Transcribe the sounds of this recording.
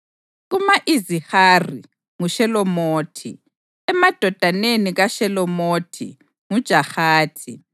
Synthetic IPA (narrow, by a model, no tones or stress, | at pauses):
ɣumaʔizihari | ŋuʃɛlɔmoːtʰḭ | ɛmad̥ʱɔd̥ʱaneniɣaʃɛlɔmoːtʰḭ | ŋud̥ʒ̥ʱaxaːtʰi